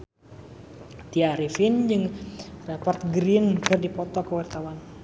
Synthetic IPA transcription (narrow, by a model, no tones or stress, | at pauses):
t̪iaɾifind͡ʒɨŋrapɔrt̪̚ɡɾinkɨrdipɔt̪ɔkəwart̪awan